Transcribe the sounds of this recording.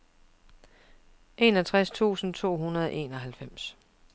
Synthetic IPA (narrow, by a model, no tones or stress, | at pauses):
ʔe̝ːnɒt͡sʰʁast͡sʰṵːsn̩t͡sʰo̝̰ːɦunɐð̞ˠɒʔe̝̰ːnɒ̽ɦælfem̰s